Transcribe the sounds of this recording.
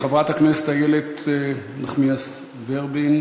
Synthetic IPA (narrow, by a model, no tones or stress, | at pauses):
χevʁat̪akneset̪ajelet | naχmias | veʁbin